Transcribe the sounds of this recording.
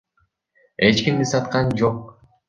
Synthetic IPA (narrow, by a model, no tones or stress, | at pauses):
e̞t͡ʃkimd̪isɑt̪qɑnd͡ʒoq